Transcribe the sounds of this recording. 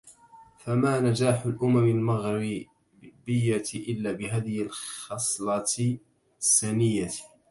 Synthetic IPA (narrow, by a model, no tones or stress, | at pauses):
famaːnad͡ʒaːħʊlʔʊmamɪlmaɣɾi | bɪjːat̪ʔɪlːaːbɪɦaːðɪhɪlxɑsˤlɑt̪ | sːanɪjːa